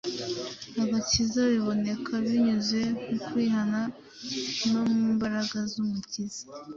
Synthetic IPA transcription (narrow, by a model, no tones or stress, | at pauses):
aβacizaβiβo̞ne̞kʰaβiɲuzwe̞nukwiːɦana | no̞muːmbaɾaɡazumucizḁ